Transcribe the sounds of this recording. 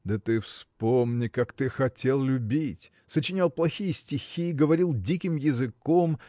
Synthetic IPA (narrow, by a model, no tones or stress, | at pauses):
d̪ət̪ɨfspomnʲɪkakt̪ɨxɐtʲelˠlʲʊbʲitʲ | sət͡ɕɪnʲalˠplˠɐxʲijəsʲtʲɪxʲiːɡəvɐɾʲilˠdʲikʲɪmjɪzɨkom